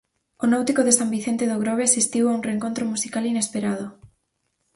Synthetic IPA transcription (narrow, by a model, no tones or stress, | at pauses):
onawt̪ikoðesambiθent̪eðoɣ̞ɾoβeasist̪iwaũnreŋkont̪ɾomusikalinespeɾað̞o